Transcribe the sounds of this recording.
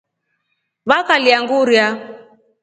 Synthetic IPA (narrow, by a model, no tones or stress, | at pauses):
βakaliaŋɡuɾja